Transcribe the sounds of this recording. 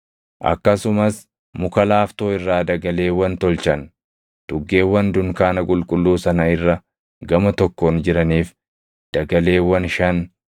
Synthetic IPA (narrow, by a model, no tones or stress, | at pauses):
ʔɐ̰kːɐsʊmɐs | mʊkɐlaːft̪o̞ːɪrːaːd̪ɐɡɐle̞ːwɐnt̪ɔlt͡ʃɐn | d̪̥ʊɡːe̞ːwːɐnd̪ʊŋkaːnɐkʼʊlkʼʊlːuːsɐnɐɪrːɐ | ɡɐmɐt̪ɔkːoːnd͡ʒɪɾɐniːf | d̪̥ɐɡɐle̞ːwɐnʃɐn